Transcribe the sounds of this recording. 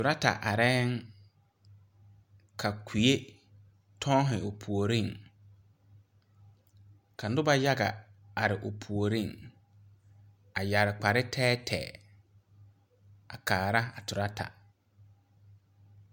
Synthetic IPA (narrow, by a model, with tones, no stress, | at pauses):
tʊ˨ɾa˦ta̰˨ʔa˨ɾɛː˦ŋ | kʰa˨kʰi˨e˦ | tʰɔ̃˦ɦɪ˨o˨pʰu˨o˨ɾĩ˦˨ŋ | kʰa˨n̩˦dʊ˦ba˦ja˦ɡa̰˨a˨ɾɪ˨ʔo˨pʰu˨o˨ɾĩ˦˨ŋ | a˨ja˨ɾɪ˨k͡pa˨ɾɪ˦tʰɛː˦tʰɛ̰ː˨ | a˨kaː˨ɾa˦a˨tʰʊ˨ɾa˦tʰa̰˨